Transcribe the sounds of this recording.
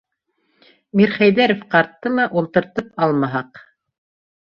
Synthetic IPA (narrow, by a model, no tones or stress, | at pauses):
miɾχæjðæɾofqɑɾt̪ːɤmɤʔulˠt̪ɤ̆ɾt̪ɤpɑlˠmɑɦɑq